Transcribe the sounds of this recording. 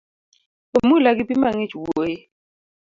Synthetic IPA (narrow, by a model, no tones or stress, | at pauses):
omulak̬ipimaŋet͡ʃwojɛ